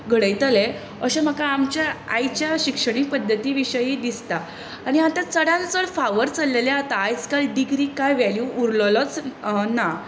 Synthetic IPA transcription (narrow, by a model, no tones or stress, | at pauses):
ɡʱəɽəjt̪əle | əɕem̤əkaːmt͡ɕjaajt͡ɕjaɕikʂəɽ̃ik̚pəd̪ʱːət̪iːʋiɕəjid̪ist̪a | aɽ̃iat̪ãt͡səɽãnt͡səɭfaʋəɾt͡salːeleat̪aːjt͡skalɖiɡɾiːkajʋɛljuːɾlələt͡sna